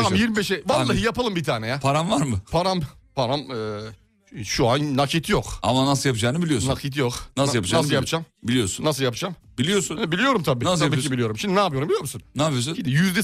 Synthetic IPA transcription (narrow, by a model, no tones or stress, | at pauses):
amjiɾmibeʃɛvaɾˠaːɦjapalˠɯmbit̪ʰaːnejɛpʰaɾamvaɾmɯpʰaɾam | pʰaɾamɛ | ʃuanːakʰit̪ʰjoka̰manasɯlˠjapʰɯd͡ʒaːnɯbilʲijoɾsnakʰit̪̬ʰjoknasjapɯd͡ʒnasɯlˠjapʰɯd͡ʒambilʲijoɾsunːas̬ɯljapʰɯd͡ʒam | bilʲijoɾsunɛbilʲijo̞ɾumt̪ʰabiːnaslʰabikʰibilʲijo̞ɾumʃimd̪inaːpɯjoɾumbilʲjoɾmusunnaːpijosuid̪ɛjyzd̪ɛ